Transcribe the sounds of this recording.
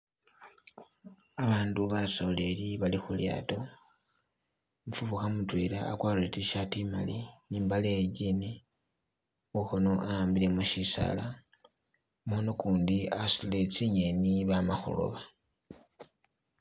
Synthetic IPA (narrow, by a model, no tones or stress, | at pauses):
aβaːnduβasoleliβalixulja̰ːto̞ | ɱfuβuxamutwela̰ːkwaːluletiʃatimaliniːmbaleɟine | uxono̞ʔajaːmbile̞muʃisa̰la | mono̞kuːndiasilet͡siɲeniβamaxo̰lo̰βa